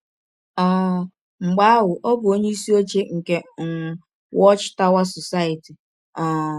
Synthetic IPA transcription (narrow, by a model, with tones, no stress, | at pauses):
a˦˨ | ŋ͡m̩˨ɡ͡ba˦a˦ɦʊ˨ʔo˦bʊ˨o˦ɲe˦i˦si˦o˦t͡ʃe˦ŋ̩˨ke˦ŋ̩˨ | wɔ˦t͡ʃta˦wa˦sɔ˨sa˦ɪ˨ti˨ | a˨